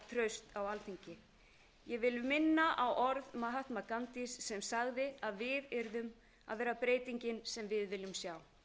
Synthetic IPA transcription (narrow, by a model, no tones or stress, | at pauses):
t̪ʰɾœɥst̪awalθiɲcɪ | jɛɣvɪlʏmɪnːaʔawʔɔɾðmaɦat̪makant̪isːɛmsaɣðɪaðvɪðɛɾðʏm | a̰ðvɛːɾapɾeːjt̪iɲcɪnsɛmvɪðvɪlːʏmsjaw